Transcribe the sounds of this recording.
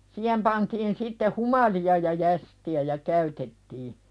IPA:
siːhem pɑntiːn sitːe humɑliɑ jɑ jæstiæ jɑ kæytetːiː

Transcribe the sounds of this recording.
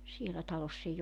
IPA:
sielæ tɑlosː eij

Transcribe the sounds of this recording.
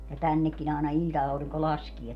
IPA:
jɑ tænːekːin ɑˑenɑ ilʲtɑɑuriŋko lɑskie

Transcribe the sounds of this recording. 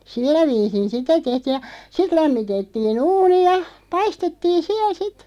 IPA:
silːæ ʋiːsin̞ sitæ tehtiːj̆ jɑ sit læmːitetːiːn uːni jɑ pɑistetːiːn̞ siæl̆ sit

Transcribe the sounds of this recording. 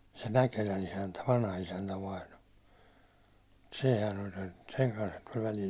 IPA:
se mækelæn isæntæ ʋɑnhɑisæntæ ʋɑino sehæn olʲ sen seŋ kɑnshɑn tulʲ ʋælil

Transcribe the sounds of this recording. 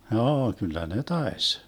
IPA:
hjoː kylˑæ ne tɑes

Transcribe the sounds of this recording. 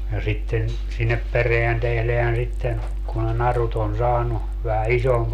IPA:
jɑ sitːen sinːep pereæn tehleæn sitːen ku ne nɑrut on sɑːnu ʋæhæ isomp

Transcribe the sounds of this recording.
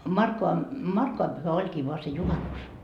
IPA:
mɑrkːoʋɑ mɑrkːoʋɑm pyhæ olʲkiː ʋoɑ se juhɑnus

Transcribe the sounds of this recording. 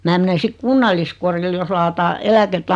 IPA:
mæː mene sik kunːɑlːiskoril jos lɑːtɑː elæketː

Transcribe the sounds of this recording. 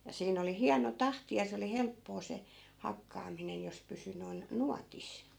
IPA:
jɑ siːn oli hiɑno tɑhti jɑ se oli helpːoː se hɑkːɑːminen jos pysy noi̯n nuɑtis

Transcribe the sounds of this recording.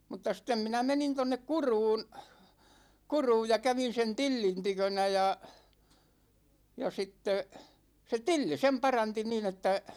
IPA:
mutˑɑ sĭtːem minæ menin tonːek kuruːn kuruːj jɑ kæʋin̞ sen tilːin tykønæ jɑ jɑ sitːe se tilːi sem pɑrɑnti niːn etːæ

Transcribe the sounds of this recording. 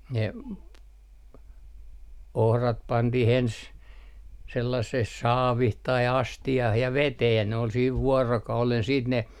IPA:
ne ohrɑt pɑntih ens selːɑsːeh sɑːʋih tɑi ɑstiɑh jɑ ʋeteː jɑ ne ol siːʋ ʋuorokɑulen siːt ne

